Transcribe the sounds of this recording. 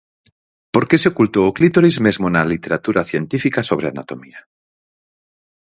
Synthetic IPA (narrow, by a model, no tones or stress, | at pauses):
poɾkeseokult̪oːklit̪oɾizmezmonalit̪eɾat̪uɾaθjent̪ifikasoβ̞ɾeana̰t̪o̞mia